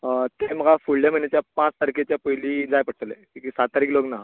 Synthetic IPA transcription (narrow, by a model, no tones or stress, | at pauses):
t̪em̤əɡʱafuɭljaməjnet͡ɕjapãt͡st̪aɾikʰet͡ɕjapəjliːd͡zajpəʈʰt̪lḛkĩkisat̪̚t̪aɾiːkloɡnaɦ